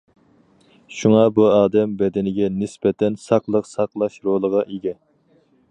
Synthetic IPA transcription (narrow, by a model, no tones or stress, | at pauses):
ʃuŋɑbuɑːd̪ɛmbɛd̪ɪnɪɡʲɛnɪspɛt̪ʰɛnsɑqlˠəqsɑqlˠɑʃɾolˠəʁɑʔeɡʲɛ